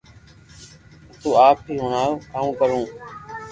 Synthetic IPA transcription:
t̪uːaːp̚ʰiːɦʊːɳaːoːk̪aːũːkəɾũː

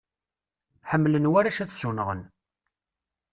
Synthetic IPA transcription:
ħəmːlənwæɾæʃæt͡sːçunʁə̰n

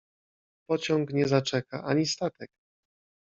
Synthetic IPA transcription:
pɔt͡ɕɔ̃ŋkɲɛzat͡ʂɛka̰ʔaɲist̪at̪ɛk

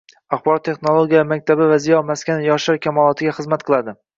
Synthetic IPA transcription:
aχbɒɾɒt̪ːʰe̞χnolˠoɡʲijamak̚ʲt̪ʰabɪvazijɒmaskʲanjɒʃaɾkʲʰamɒlˠɒt̪ʰɪɡʲaχɨzmat̪̚qʰɨlˠad̪ɪ

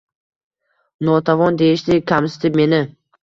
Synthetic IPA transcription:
nɒt̪ʰavɒnd̪e̞jɪʃd̪ɪkʲʰamsɪ̥t̪ʰɪp̚me̞nɪ

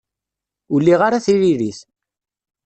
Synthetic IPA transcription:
ʊlːiʁaɾaθiɾiɾiθ

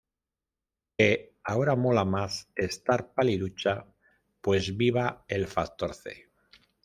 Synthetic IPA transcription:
keaoɾamo̞lamase̞st̪aɾpaliðut͡ʃa | pwe̞zβiβ̞aelfakt̪oɾθḛ

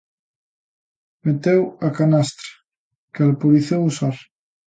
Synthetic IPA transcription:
met̪ewakanast̪ɾḁ | kealpoɾiθewusaɾ

